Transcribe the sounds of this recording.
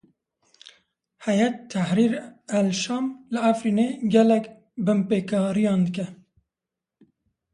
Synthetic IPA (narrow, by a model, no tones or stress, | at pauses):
hɛjɛt̪ʰːɛhɾiɾælʃɑːmlɨæfɾiːneɡɛlɛk | bɨmpeːkʰɑːɾijɑːnd̪ɨk̬ɛ